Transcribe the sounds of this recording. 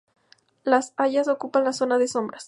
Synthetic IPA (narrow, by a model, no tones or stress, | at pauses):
lasaʝaso̞kupanlaso̞naðeso̞mbɾas